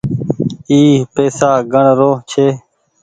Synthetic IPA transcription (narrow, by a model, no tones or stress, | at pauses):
iːpeːsaːɡəɳɾoːt͡ʃʰeː